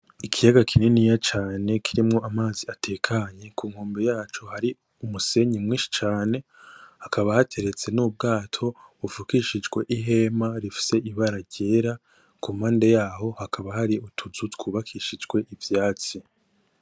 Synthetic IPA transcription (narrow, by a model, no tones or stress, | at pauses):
ikʰijaɡakʰininijat͡ʃaːne̞kʰiɾimŋo̞ʔamaːziatʰe̞kʰaɲe̞kʰuːŋhoːmbejaːt͡ʃo̞haɾi | umuse̞ɲimŋiːʃi̥t͡ʃaːne̞hakʰaβahatʰe̞ɾe̞t͡se̞nuːb̚ɡaːtʰo̞ufukiʃid͡ʒɡwe̞ʔiɦe̞maɾifi̥se̞ʔiβaɾaɟeːɾa | kum̥aːndejaːho̞hakʰaβahaɾiutʰuzutkuːβakʰiʃid͡ʒɡwe̞ʔivjaːt͡si